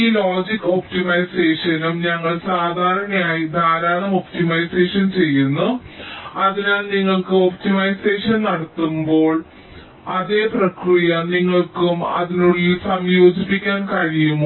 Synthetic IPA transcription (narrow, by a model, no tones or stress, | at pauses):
iːlo̞ːd͡ʑikːo̞pʈimɐjse̞ːʂɐnumɲɐŋːɐɭsaːd̪ʱaːɾɐɳɐmaːjid̪ʱaːɾaːɳɐmo̞pʈimɐjse̞ːʂɐnt͡ɕe̞jːunːu | ɐðinaːlniŋːɐɭkɨo̞p̚ʈimɐjseːʂɐnnɐɽɐt̪ːumbo̞ːɭ | ɐðe̞ːprɐkrijɐniŋːɐɭkumɐ̰ðinuɭilsɐmjo̞ːd͡ʑipːikʲːaːnkɐɻijum